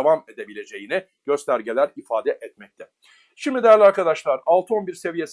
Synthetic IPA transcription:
vamed̪ebilʲe̞d͡ʒe̞jinɪ | ɟ̥ø̞st̪ʰæɾɟelʲæɾifaːd̪ɛʔɛt̪mɛc̚t̪ʰɛ | ʃimd̪id̪ejæɾlʲiaɾkad̪aʃlˠaɾalˠt̪ɯo̞nbiɾse̞vije̞s

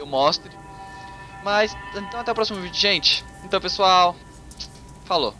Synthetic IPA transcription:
ewmɔst̪ɾɪ | mɐsẽnt̪ɐ̃w̃t̪ɛɐʊpɾɔsimovĩd͡ʒʊʒẽnt͡ʃɪ̥ẽnt̪ɐ̃w̃pesuaw | falo̰

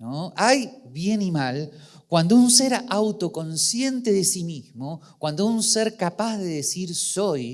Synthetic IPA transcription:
noajβje̞nimal | kwand̪ounseɾawt̪o̞ko̞nsje̞nt̪eðesimizmokwand̪ounseɾkapazðeðesiɾsoj

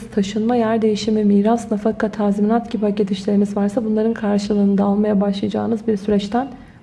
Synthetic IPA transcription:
z̥t̪ʰaʃɯnmajæɾd̪e̞jiʃimimiːɾasnafakʰat̪ʰaːziminat̪cʰipacet̪ʰiʃlʲe̞ɾimizvaɾsabunlˠaɾɯnkʰaɾʃɯlˠɯːnɯd̪aːlˠmajabaʃlˠajad͡ʒa̰ːɯnɯzbiɾsyɾɛt͡ʃt̪ʰæn

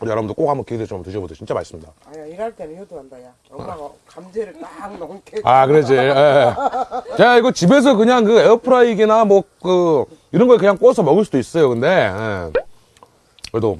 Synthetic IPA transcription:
jʌɾʌbundok͈ok̚hambʌkedet͡ɕomtuɕʰibotʰot͡ɕint͡ɕ͈ama̰ɭs͈ɯmɲida | iɾatd̰ | amd͡ʑeɾtankakɯɾed͡ʑije | t͡ɕeiɡʌt͡ɕibe̞s̬ʰʌkɯɲaŋkɯeʌpʰɯɾaiɡinamwʌk͈ɯ | iɾʌnɡʌikɯɲaŋk͈os̬ʰʌmʌɡɯɭs͈udois͈ʌjokɯnde̞ḛ | kɯɾedo

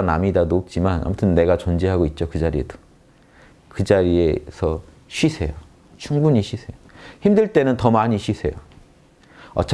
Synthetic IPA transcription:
namidanop̚t͡ɕ͈imana̰mutʰɯnːe̞ɡat͡ɕond͡ʑiɦaɡoit̚t͡ɕ͈okɯd͡ʑaɾie̞̰do | kɯd͡ʑaɾiesʰʌ | ɕʰɥisʰe̞jo | t͡ɕʰuŋbuɲiɕʰisʰe̞joçimdɯɭt͈e̞nɯntʌmaɲiɕʰɥisʰe̞̰jo | ʌ̰t͡ɕʰ

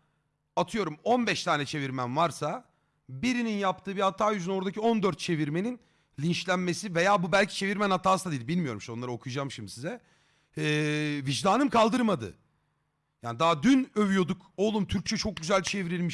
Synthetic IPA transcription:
at̪ʰɯjo̞ɾumo̞nbɛʃt̪ʰaːnɛt͡ʃʰe̞viɾmænvaɾsa | biɾininjap̚t̪ʰɯːbiat̪ʰːaːjyzyno̞ɾd̪acio̞nd̪øɾt̪̚t͡ʃʰe̞viɾme̞nin | lʲint͡ʃlʲænme̞sive̞jaːbubælʲcʰi̥t͡ʃʰe̞viɾmænhat̪ʰaːsad̪id̪ʲibilʲmijo̞ɾumʃo̞nlˠaɾɯo̞kʰujd͡ʒamʃimisizɛ | ɛːvid͡ʒd̪aːnɯmkʰalˠd̪ɯɾmad̪ɯ̰ | jaːnid̪aɦd̪ynø̞vyjo̞d̪uko̞lˠumt̪ʰyɾc̚t͡ʃʰɛt͡ʃʰo̞k̚ɟyzælʲt͡ʃʰe̞viɾilʲmiʃ

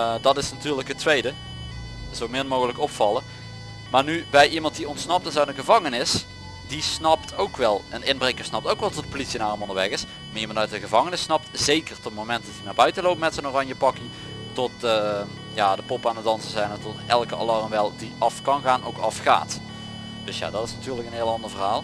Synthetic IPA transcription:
dɑtɪsnatyːɹləkɦətʋejdə | z̥owmɪnmowɣələkɔpfɑlə | maːɹnybɛjʔimɑnt̚diɔntsnɑp̚tɪzaɥtənɣəvɑŋənɪs | disnɑptʰowkʋɛlˠənɪnbrejkəɹsnɑp̚towkʋɛlˠtɔt̚politsiənaːrəmɔndəɹʋɛxɪs | maːimɑntœɥt̚dəɣəvɑŋənɪsnɑp̚tz̥ejkərtɔtmowmɛnt̚dɑtinaːɹbœɥtəlowpəmɛtsənoːrɑɲjəpɑki | tɔtə | jaːdəpɔpaːndədɑnsəzɛjnətɔtɛlˠkəa̰lɑɹmʋɛlˠdiʔɑfkɑnɣaːnowkɑ̰fχa̰ːt | d̥ɵsja̰ːdɑtɪsnatyːrləkənɦeːlˠɑndəɹvərɦaːlˠ

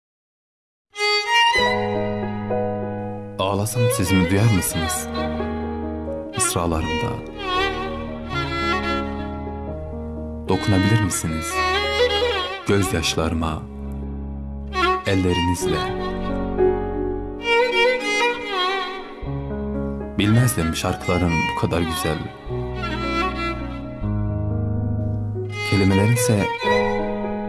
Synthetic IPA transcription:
ɑːlˠɑsɑnsizinid̪yjæɾmisiniz̥ | isɾɑlˠɑɾɯmd̪ɑ̰ | d̪̥o̞kʰunɑbiliɾmisiniz̥ | ɟ̥øzjɑʃlˠɑɾɯmɑ̰ | ɛlʲːe̞ɾinizlʲɛ | bilʲmæzlʲimʃaɾkʰlˠaɾɯnbukʰad̪aɾɟyz̥ælʲ | cʰølʲemelʲeɾinsɛ

